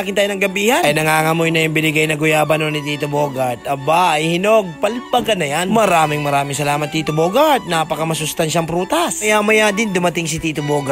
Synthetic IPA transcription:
akɪnt̪aːjonɐŋɡɐbiːhɐɐjnɐŋaːŋɐmojnɐʔɪmbɪnɪɡajnɐɡʊjaːbɐnonɪt̪iːt̪oboːɡɐt̪ɐbaɐjhɪnoɡ̚pɐlpɐɡɐnɐjanmɐɾaːmɪŋmɐɾaːmɪŋsɐlaːmɐt̪̚ːiːt̪ʊboːɡɐt̪̚naːpɐkɐmɐsʊst̪anʃɐŋpɾuːt̪ɐsɐjamɐjaːd̪ɪnd̪ʊmɐt̪ɪŋsɪt̪iːt̪ʊboːɡa

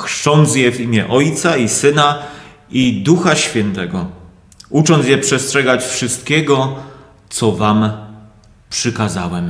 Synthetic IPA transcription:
xʂt͡ʂɔnd̪sjɛvimʲjɛʔɔjt̪saisɘna | id̪uxaɕfʲjɛnt̪ɛɡɔ | ut͡ʂɔnjɛpʂɛstʂɛɡat͡ɕfʂɘst̪̚kʲɛɡɔ | t̪sɔvam | pʂɘkazawɛm

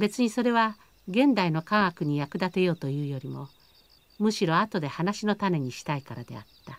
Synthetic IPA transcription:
be̞t͡sɨɲ̟iso̞ɾe̞βa | ɡẽ̞nd̪aino̞kãɰ̃akɯ̟ɲ̟ijakɯ̟d̪at̪e̞jo̞ːt̪o̞jɯ̟ːjo̞ɾʲimo̞ | mɯ̟ɕiɾo̞at̪o̞d̪e̞hanaɕino̞t̪ame̞ɲ̟iɕi̥t̪aikaɾad̪e̞̰a̰t̪ːa

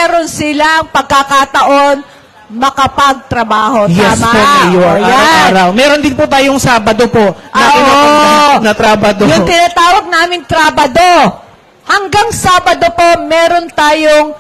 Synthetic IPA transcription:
ɛɾo̞nsɪlaɐŋpɐɡ̚kakat̪ɐʔo̞n | mɐkɐpɐɡ̚t̪ɾɐbaːho̞jtj̪ɛsmapoŋɐjoɐjjaɐaːɾɐwmɛːɾond̪ɪnpot̪aːjoŋsaːbɐd̪o̞po̞ʔnɐːɪaonɐt̪ɾaːbɐd̪ojʊŋt̪ɪnaːt̪aːwɐɡ̚naːmɪnt̪ɾaːbɐd̪o̞ | hɐŋɡaŋsaːbɐd̪o̞po̞mɛːɾo̞nt̪aːjoŋ

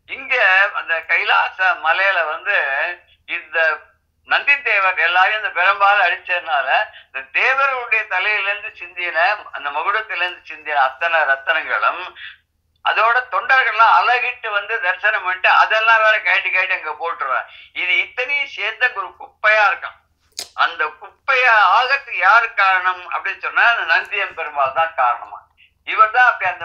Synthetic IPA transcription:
ɪŋɡɐɐnd̪ɐkɐjla̰ːsɐmɐlɐjɪlɐʋɐnd̪ɯ | ɪnd̪ɐ | nɐnd̪it̪eːʋɐɾɛlːaːjɪnd̪ɐpɪɾɐmbaːlɐɽɯt͡ʃːɐðɯnaːlɐɐnd̪ɐd̪eːʋɐɾɣɐɭɯɽɐjɐt̪ɐlɐjɪlɐɾɯnd̪ɯt͡ʃɪnd̪ɪjnɐɐ̰nd̪ɐmɐɣɯɽɐt̪ːɪlɐɾɯnd̪ɯt͡ʃɪnd̪ɪjɪnɐɐt̪ːɐnɐɾɐt̪ːɐnɐŋɡɐ̰ɭɯm | ʔɐ̰ðoːɽɐt̪ɔɳɖɐɾɣɐɭlãːɐlɐɣɪʈːɯʋɐnd̪ɯd̪ɐɾsɐnɐmɐʈːɯɐðɛlːãːɾaːnɐkɐjɐɳɖɯkajʈːɯɐŋɡepoːʈːɾɯʋã̰ːɪðɯɛt̪ːɐnɪjseːɾɐkɔɾɯkʊpːɐjaːɪɾɯkːã̰ː | ɐnd̪ɐkʊpːɐjaaːɣɐkːɯjaːɾɯkaːɾɐɳɐmɐ̰pːɐɽɪnːɯsɔnːaːɐnd̪ɐnɐnd̪ɪjɐmpɛɾɯmbaːlt̪ãːkaːɾɐɳɐmã̰ː | ɪʋɐɾt̪ãːɐpːɐɽiɐnd̪ɐ

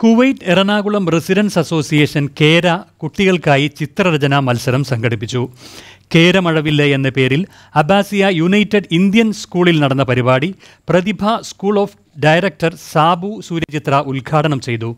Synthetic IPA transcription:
kuʋɐjʈerɐɳaːɣuɭɐmresiɾɐnsɐso̞ːsijeːʂɐnkeːɾɐkuʈːiɣɐɭkaːjit͡ɕit̪rɐɾɐd͡ʑɐnɐmɐlsɐɾɐmsɐŋɡɐɽipːit͡ɕːuke̞ːɾɐmɐɻɐʋilːɐenːɐpe̞ːɾil | ɐbʱaːsijɐjunɐjtːɐɖind̪jɐnskuːɭilnɐɽɐnːɐpɐɾibaːɽi | prɐðibʱɐskuːɭo̞ːf | ɖɐjɾɐk̚ʈɐrsaːbʱusuːɾɐt͡ɕit̪rɐʔulɡʱaːʈɐɳɐmt͡ɕe̞jt̪u

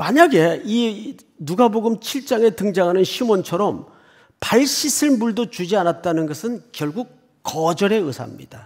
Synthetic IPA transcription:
maɲaɡe̞i | nuɡaboɡɯmt͡ɕʰiɭt͡ɕ͈aŋe̞tɯŋd͡ʑaŋɦanɯnɕʰimont͡ɕʰʌɾʌm | paɭɕ͈isʰɯɭmuɭdot͡ɕud͡ʑianat̚t͈anɯnɡʌsʰɯnkjʌɭɡuk̚ | k͈ʌd͡ʑʌɾe̞ɯsʰa̰mɲḭd̥a

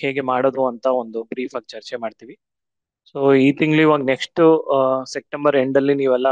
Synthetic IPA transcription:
he̞ːɡemaːɽoːd̪uɐnt̪ɐond̪ubɾiːfɐɡt͡ʃɐɾt͡ʃemaːɖt̪iʋi | so̞ːiːt̪iŋɡluiʋaːɡneksʈusep̚ʈembɐɾeɳɖɐlːiniːʋɛlːɐ

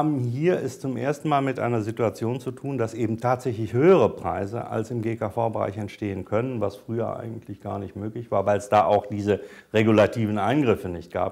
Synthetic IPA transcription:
abm̩hiːɐɛst͡sʊmʔḛːɐstn̩maːlmɪtʔa̰ɪnɐzɪtuat͡sjoːnt͡sutʰuːndasʔeːbm̩tʰaːtz̥ɛçlɪçhøːəʁ̞əpʁ̥a̰ɪzə̰ʔa̰lsɪmɡeːkafaʊbəʁa̰ɪçɛntʃteːənkʰœnənvasfʁ̥yːɐ̰ʔa̰ɪɡŋ̩tʰlɪçɡ̥a̰ːɐnɪçtmøːklɪçv̥aːɐvaɪlsd̥aːʔaʊxd̥iːzə | ʁeɡulatʰiːvn̩ʔaɪnɡʁɪfənɪçt̚ɡ̥a̰ːp̚

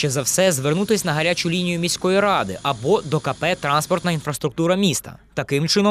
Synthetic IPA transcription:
ʃt͡ʃɛzɐwsɛzʋernut̪ɪsʲnɐɦɐɾʲat͡ʃʊlʲinʲijʊmʲisʲkɔjiɾɑd̪ɪ̰ʔɐbɔd̪ɔkɐpɛt̪ɾɑnspɔrt̪nɐinfɾɐst̪ɾʊk̚t̪uɾɐmʲist̪ɐ̰t̪ɐkɪmt͡ʃɪnɔ

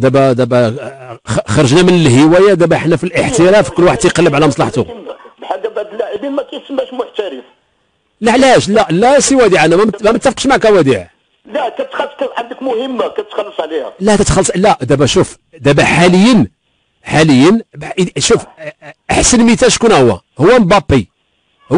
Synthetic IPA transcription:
d̪æbæd̪æbæ | xɑɾˤɑʒnæmənəlhəwæjæd̪æbæħnæfilʔəħt̪iɾæfikʊlːwaħəd̪ːijqɑlːəbʕlæmɑsˤlɑħt̪ṵbħaɡːæbaʕd̪əlːaʕibinmækæjsəmːhæʃmʊħt̪æɾəf | laʕlæhæʃlælæsiwæd̪iʕænæmæmæmət̪ːæfqʃmaʕkæwæd̪iʕ | lækæt̪xɑskæfħand̪əkmʊhəmːakæt̪xɑlːəsˤʕlihæ̰læht̪æt̪xɑlːsˤlæd̪æbæʃuf | d̪æbæħaləjːən | ħaləjːənbʃufʔəħsənmit̪æʃkunhʊwːæ̰ | hʊwːæmbɑbːi | h

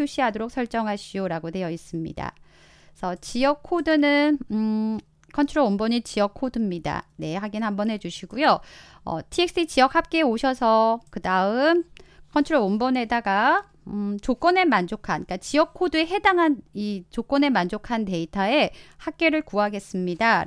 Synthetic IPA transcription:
uɕ͈ʰiɦadoɾok̚sʰʌɭt͡ɕ͈ʌŋɦaɕʰioɾaɡote̞jʌis͈ɯmɲḭda̰ | sʰʌt͡ɕijʌkʰːodɯnɯn | kʰʌnt͡ɕʰuɾoombʌɲit͡ɕijʌkʰodɯmɲida̰ne̞ɦaɡinhambʌnɦe̞d͡ʑuɕʰiɡujo | ʌ̰tʰiek̚s͈it͡ɕijʌk̚hap̚k͈e̞oɕʰʌsʰʌkɯdaɯmkʰʌnt͡ɕʰuɾoombʌne̞daɡa | t͡ɕok͈ʌne̞mand͡ʑokʰank͈at͡ɕijʌk̚ʰːodɯe̞ɦe̞daŋɦanit͡ɕok͈ʌne̞mand͡ʑokʰante̞itʰae̞hak̚k͈e̞ɾɯɭkuɦaɡe̞s͈ɯmɲida

